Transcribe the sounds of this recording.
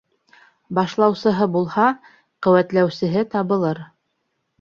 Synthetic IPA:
bɑʃlˠɑwsɤ̆ɦɤbulˠhɑ | qɵ̆wæt̪læwsɘ̆ɦɘt̪ɑβɤ̆lˠɤɾ

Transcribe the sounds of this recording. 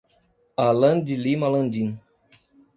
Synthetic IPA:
alɐ̃nd͡ʒilimalɐ̃nd͡ʒĩn

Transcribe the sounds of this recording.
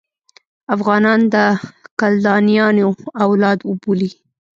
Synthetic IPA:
afɣɑnɑnd̪əkald̪ɑnijɑnoawlɑd̪ʊbuli

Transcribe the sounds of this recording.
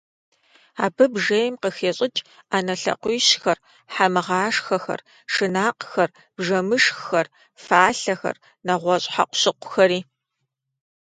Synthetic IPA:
a̰ːbɨbʐejmqəxeːɕʼɪt͡ʃʼ | aːnɐɬɐ̰qʷiːɕxɐr | ħamɨʁaːʂxɐxɐ̰r | ʂɨnaːqxɐr | bʐɐmɨʂxxɐr | faːɬɐxɐ̰r | nɐʁʷɔɕʼħa̰qʷʊ̥ɕɪqʷʰʊxɐɾiː

